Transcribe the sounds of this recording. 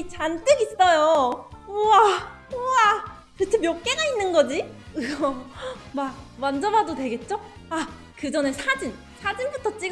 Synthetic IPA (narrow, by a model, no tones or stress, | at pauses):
it͡ɕant͈ɯɡis͈ʌjo | a | a | kɯt͡ɕʰemjʌk̚k͈e̞ɡainːɯnɡʌd͡ʑiɯɡʌmamand͡ʑʌmɦadotwe̞ɡe̞t̚t͡ɕ͈o | a | kɯd͡ʑʌnesʰad͡ʑin | sʰad͡ʑinbutʰʌt͡ɕ͈i